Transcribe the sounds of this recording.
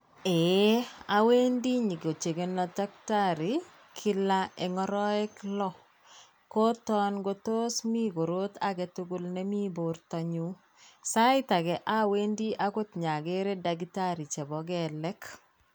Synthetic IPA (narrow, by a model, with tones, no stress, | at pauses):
e˦ | a˨we˦ndi˦ɲi˨ɡo˨t͡ʃe˨ɡe˨nɔ˨ta˦k̚ta˦ɾi˨ | kʰɪ˦la˦ɛ˨ŋɔ˦ɾɔ˦ɛ˦klɔ˦ | ko˦tɔ˦nɡo˦to˦smi˦ɡo˨ɾo˦t̪a˨ɡe˨tʊɡʊ˦lnɛ˦mi˦bo˨ɾtɔ˨ɲu˦ | sa˦ɪ˦ta˨ɡɛ˨ʔa˦we˦ndi˦ʔa˦ko˦t̪ɲa˨ɡe˦ɾe˦da˨ɡita˦ɾi˨t͡ʃɛ˨bɔ˨ɡɛlɛ˦k